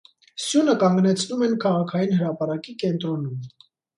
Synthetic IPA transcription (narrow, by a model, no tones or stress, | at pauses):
sjunəkɑŋɡnɛt͡sʰnumɛnkʰɑʁɑkʰɑjinhəɾɑpɑɾɑkikɛnt̪ɾɔnum